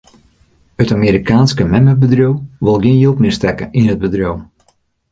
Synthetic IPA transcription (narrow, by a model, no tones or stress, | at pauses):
ətamiːɾikʰaːnskəmɛməbədrowʋɪlˠɡiənjølˠtmɪstɛkəʔinɦəd̚bədrowm